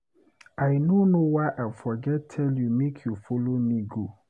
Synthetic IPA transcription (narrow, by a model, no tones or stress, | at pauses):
ʔaɪnonowaɪʔafɔɡɛttʰɛljumekʰjufolomiɡu